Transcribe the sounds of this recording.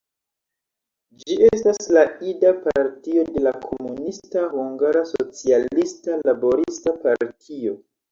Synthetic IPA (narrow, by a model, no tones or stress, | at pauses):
d͡ʒie̞staslaidapaɾtio̞de̞lakʰo̞munistahuŋɡaɾasot͡sialistalabo̞ɾistapaɾtʰio̞